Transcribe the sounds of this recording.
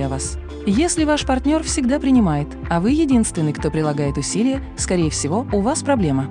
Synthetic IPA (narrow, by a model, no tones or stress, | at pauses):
avas | jesʲlʲɪvaʂpɐrtʲnʲo̞rfsʲɪɡd̪apɾʲɪnʲɪmajɪt̪ | ɐvɨjɪdʲinst̪vʲɪnːɨjkt̪o̞pɾʲɪlˠɐɡajɪt̪ʊsʲilʲɪjəskɐɾʲejəfsʲɪvo̞ʊvaspɾɐblʲe̞mə